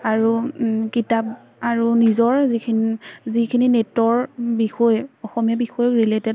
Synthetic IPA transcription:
aɹukitap̚ | aɹunizɔɹzikʰinzikʰininetɔɹbixɔjɔxɔmiabixɔjɔkɹiletɛd

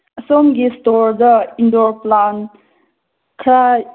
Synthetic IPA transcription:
ɐsɔmɡistɔɾdɐindɔɾplan | kʰɾaj

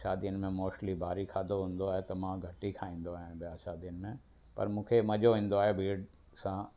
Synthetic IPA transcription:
ʃaːd̪iənmẽmoːʃlibaːɾikʰaːd̪oɦũːn̆d̪oaːɦet̪ɐmãɡʱɐʈikʰaːĩːn̆d̪oaːɦbɪjaːʃaːd̪ijənɪmẽ | pɐ̰ɾmũːkʰemɐʄoɦĩːn̆d̪oaːɦebʱiːɖ | sã

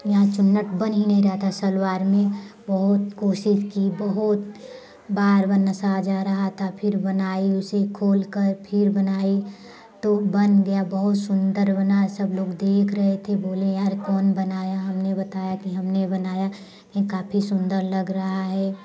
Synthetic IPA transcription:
jɐɦãt͡ʃʊnːəʈbɐnɦinɐɦĩɾɐɦt̪ʰasɐlwaːɾmẽbɐɦʊt̪koːʃɪʃkibɐɦʊt̪ | baːɾbɐnːɐsad͡ʒaɾɐɦat̪ʰapʰɪɾbɐnaːiʊsekʰoːlkəɾpʰɪɾbɐnaːi | t̪obɐnɡɐjabɐɦʊt̪sʊ̃nd̪əɾbɐnasɐbloːɡd̪eːkʰɾɐɦet̪ʰeboːlẽjaːɾkɔːnbɐnaːjaɦɐmnebɐt̪aːjakiɦɐmnebɐnaːja | kĩkaːpʰisʊ̃nd̪əɾlɐɡɾɐɦaɦɛː

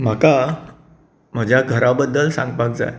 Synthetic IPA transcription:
m̤aka | m̤əd͡ʑʱjaɡʱəɾabəd̪ːəlsãŋɡpak̚d͡za̰j

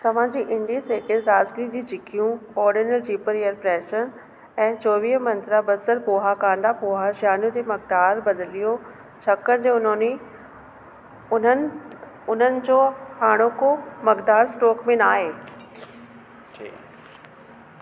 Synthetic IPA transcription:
t̪ɐʋ̤ãd͡ʑiːʔɪ̃ɳɖiseːkɪɾɾaːzɡɾid͡ʑiːt͡ɕɪkʰijũɔːɾɖiːnəld͡ʑiːpəɾejəɾpɾɛːʃən | ɛ̃ːt͡ɕoːʋiːɦmɐ̃nt̪ɾabɐsəɾpoːɦakãːɳd̪apoːɦaʃaːnjũt̪emɐɡ̚d̪aːɾbɐd̪lijo | t͡ɕʰɐkəɾd͡ʑeʊnni | ʊn | ʊn̤ənɪ̆d͡ʑoːhaːɽ̃okomɐɡd̪aːɾsʈoːkmẽnaːɦeː

